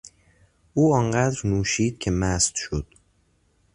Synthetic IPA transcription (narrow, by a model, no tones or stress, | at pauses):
ʔuːɒŋɢæd̪ɾnuːʃiːd̪̥̚cʰemæst̪ʃod̪̥